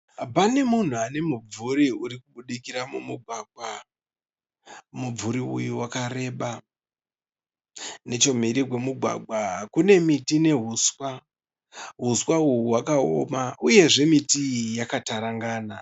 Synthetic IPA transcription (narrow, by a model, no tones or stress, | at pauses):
pane̞mun̤uane̞mub͡vuɾiuɾikuɓuɗikiramumuɡʱwaːɡ̚ʱwa | mub͡vuɾiujuwakare̞ɓa | ne̞t͡ʃo̞m̤iɾikwe̞muɡʱwa̰ɡʱakune̞mitine̞ɦuːswa | ɦuswauuwakao̰mauje̞ʐe̞mitiijakataɾaŋɡaːna